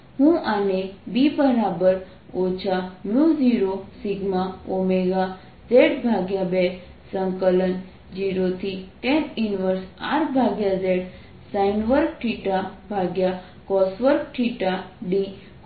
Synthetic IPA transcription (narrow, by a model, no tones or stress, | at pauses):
ɦũanebibəɾabəɾ | ot͡ʃʰamjud͡ʒiɾosiɡmaomeɡa | d͡ʒeʈbʱaɡjabe | səŋkələn | d͡ʒiɾot̪ʰiʈeninʋəɾsa̰ɾbʱaɡjad͡ʒeɽ | sainʋəɾk̚ʈʰiʈabʱaɡja | kɔsʋəɾk̚ʈʰiʈaɖi